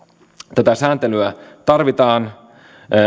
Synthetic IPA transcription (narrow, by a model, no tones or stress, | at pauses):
t̪æt̪æsæːnt̪elyæt̪ɑrʋit̪ɑːnː